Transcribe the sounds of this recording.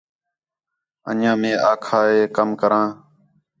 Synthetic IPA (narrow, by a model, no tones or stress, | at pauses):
ə̰ɲãːmẽːʔaːkʰaːeːkəmkəɾãː